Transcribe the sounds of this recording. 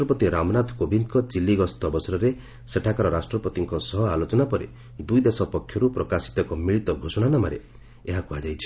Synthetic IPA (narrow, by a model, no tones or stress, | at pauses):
ʈɾɔpɔt̪iɾamɔnad̪ʱkobind̪kɔt͡ʃilːiɡɔst̪ɔbɔsɔɾɔɾe | seʈʰakaɾɔɾasʈɾɔpɔt̪iŋkɔsɔɦɔalot͡ʃɔnapɔɾḛ | d̪ujd̪esɔpɔkʰjɔɾupɾɔkasi̥t̪ɔkɔmiɭit̪ɔɡʱosɔɽ̃anɔmaɾḛ | eɦakuad͡ʒajt͡ʃʰi̥